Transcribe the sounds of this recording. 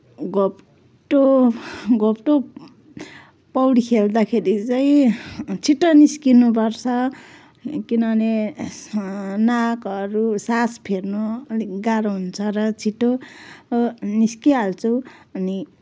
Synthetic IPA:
ɡop | ʈo | ɡopʈo | pʌwɽikʰeld̪akʰeɾit͡saĩt͡sʰiʈːʌniskinup̬ʌrt͡sʰʌ | kinʌne | nakʌɾusaspʰernoliɡaɾoɦunt͡sʰʌɾʌt͡sʰiʈːo | niskiɦalt͡sʰuʌni

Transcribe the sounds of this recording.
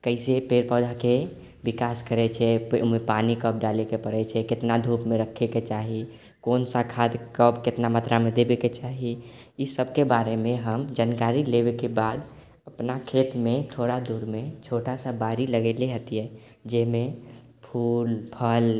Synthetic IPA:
kəɪsepeɾpəd͡ʒ̪ʱake | bikaskəɾɛt͡ʃʰɛmepanikəp̚ɖalekepəɾɛt͡ʃʰɛket̪nad̪ʱupmeɾəkʰːeket͡ʃaɦi | konsakʰad̪kəpket̪namat̪ɾamed̪ebeket͡ʃaɦi | isəbʱkebaɾemẽɦəmd͡ʒankaɾilebekebad̪ | əpnakʰet̪met̪ʰoɾad̪uɾmet͡ʃʰoʈasəbaɾiləɡeleɦət̪ijɛ | d͡ʒɛme | pʰuːlpʰəl

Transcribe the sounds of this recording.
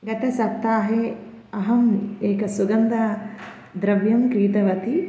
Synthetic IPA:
ɡɐt̪ɐsɐt̪ːaːɦe | ɐɦɐmeːkɐsuɡɐnd̪a | d̪ɾɐʋjɐmkɾiːt̪ɐʋɐt̪ʰi

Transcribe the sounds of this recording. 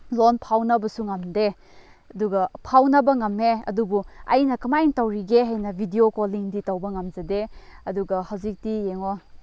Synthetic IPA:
lonpʰawnɐbɐsuŋɐmde | ɐduɡɐpʰawnɐbɐŋɐmːeɐ̰dubuɐ̰jnɐkɐmajŋtɐwɾiɡeɦɐjnɐbʱidiokoliŋditɐwbɐŋɐmd͡ʒɐdeɐduɡɐhɐwzik̚tijeŋo

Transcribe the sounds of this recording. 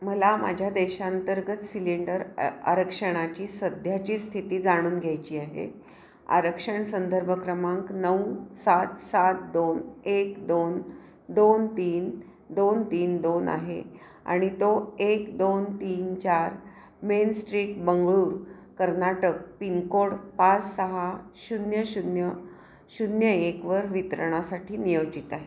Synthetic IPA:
məlama̰d͡ʑʱjad̪eɕãnt̪əɾɡət̪siliɳɖəɾa̰ɾəkʂəɽ̃at͡ɕiːsəd̪ʱjat͡ɕiːst̪ʰit̪iːd͡zaɽ̃uːnɡʱjajt͡ɕiːaɦḛ | a̰ɾəkʂəɳsənd̪ʱəɾbʱəkɾəmãŋknəwsat̪sat̪̚d̪onekd̪on | d̪ont̪iːn | d̪ont̪iːnd̪onʔa̰ɦḛ | a̰ɽ̃it̪oekd̪ont̪iːnt͡ɕaɾ | mensʈɾiːʈbəŋɡɭuːɾ | kəɾnaʈək̚piŋkoɽpat͡ssəɦaɕunjəɕunjə | ɕudnjəekʋəɾʋit̪əɾəɳ̃asaʈʰiːnijod͡ʑit̪aɦe

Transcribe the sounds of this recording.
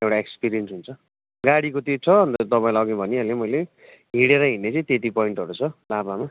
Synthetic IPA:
ewʈaekspiɾijensɦunt͡sʰʌ | ɡaɽikot̪et͡sʰʌʌnt̪ʌt̪ʌpaĩlaɡibʱʌniʌlemʌjle | ɦiɽeɾʌɦinːet͡sʌĩt̪et̪ipʌiɳʈʌɾut͡sʰʌlabama

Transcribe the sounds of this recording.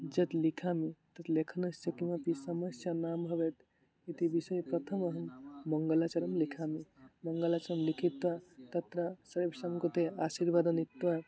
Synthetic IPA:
d͡ʒət̪likʰamit̪ət̪lekʰənəssəkimapisəməsjanamɦəbet̪ | et̪ibisəjpɾət̪ʰəməɦəmːəŋɡəlat͡ʃəɾəmlikʰamiməŋɡəlat͡ʃəɾəmlikʰit̪ʋat̪ət̪ɾasəɾbsəmkot̪easiɾbad̪ənit̪ʋa

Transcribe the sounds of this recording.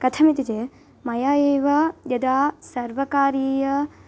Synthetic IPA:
kɐt̪ʰɐmit̪id͡ʒe | mɐjaːeːʋɐjɐd̪aːsɐɾʋɐkaːɾiːjɐ

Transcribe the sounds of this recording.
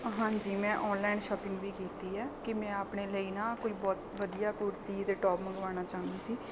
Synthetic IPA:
ɦãːɲd͡ʒiːmɛ̃ːʔɔːnlaɪːnʃɔːpɪ̃ŋɡʋiːkiːt̪iːɛːkɪmɛ̃ːaːpɳeːləiːnãːkoiːbɔːt̪ʋəd̪ijaːkʊɾt̪iːt̪eːʈɔːpməɡʋaːñaːt͡ʃaːnd̪iːsiː

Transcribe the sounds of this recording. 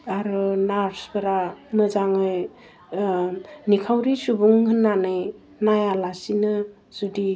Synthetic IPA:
aɾɯnaɾsbɯɾanɯzaŋɯj | nikʰawɾisubuŋhɯnːanɯj | najalasinɯ | z̥udi

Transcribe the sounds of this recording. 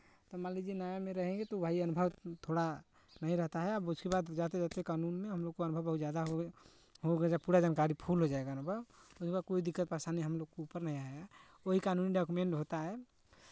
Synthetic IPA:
t̪ɔmalid͡ʒinajamẽɾəɦɛ̃ɡet̪obʱaiənʊbʱəʋt̪ʰoɽa | nəɦĩɾəɦt̪aɦɛəbʊskebad̪d͡ʒat̪ed͡ʒat̪ekanuːnmẽɦəmloɡ̚koənʊbʱəwbəɦut̪zjad̪aɦ | ɦoɡed͡ʒapuɾad͡ʒankaɾipʰulɦod͡ʒaeɡaənʊbʱəwʊskebaːd̪̚koid̪ɪkːət̪̚pasaniɦəmloɡ̚koupəɾnəɦĩaeɡa | oɦikaːnuniɖɔkumẽɳʈɦot̪aɦɛ

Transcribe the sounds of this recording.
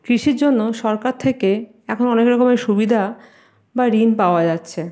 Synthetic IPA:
kɾiʃiɾd͡ʑonːoʃɔɾkaɾt̪ʰeke | ɛkʰonɔnekɾɔkomeʃubid̪ʱa | baɾinpaoad͡ʑatːɕʰe

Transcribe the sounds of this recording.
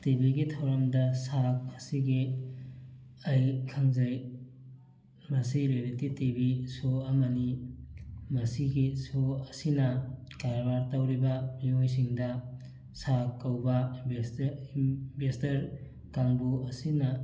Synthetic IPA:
tibiɡitʰɐwɾɐmdɐsak̚ɐsiɡi | ɐjkʰɐŋzɐj | mɐsiɾojɾetitibisoɐmɐni | mɐsiɡisoɐsinɐkaɾbaɾtɐwɾibɐmiojs̬iŋdɐ | sakːɐwbɐibesibestɐɾ | kaŋbuɐsinɐ

